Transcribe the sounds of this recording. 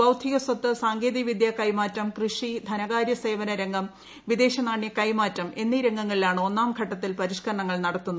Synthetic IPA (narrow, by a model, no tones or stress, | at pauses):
ɐwd̪ʱiɣɐsɐt̪ːɐsaːŋɡeːðiʋid̪jɐkɐjmaːtːɐmkrɨʂid̪ʱɐnɐɣaːɾjɐse̞ːʋɐnɐɾeŋɡɐm | ʋid̪e̞ːɕɐnaːɳjɐkɐjmaːtːɐmʔe̞nːiːɾeŋɡɐŋːɐɭilaːɳɨo̞nːaːmɡʱɐʈːɐt̪ːilpɐɾiʂkɐɾɐɳɐŋːɐɭnɐɽɐt̪ːunːɐð